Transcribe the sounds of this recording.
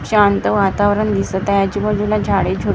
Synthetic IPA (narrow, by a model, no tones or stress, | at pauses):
ɕant̪əʋat̪aʋɾəɳd̪isət̪əjad͡ʑibəd͡zulad͡ʑʱaɽed͡ʑʱu